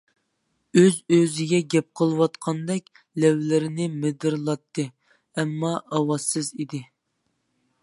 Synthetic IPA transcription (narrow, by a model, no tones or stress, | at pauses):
øzøzɪɡʲɛɡʲɛp̚qʰəlˠɨwɑt̪qʰɑnd̪ɛkʲ | lɛwlɪɾɪnɪmɪd̪ɨɾlˠɑt̪ːɨ | ɛmːɑʔɑwɑzɨzid̪ɪ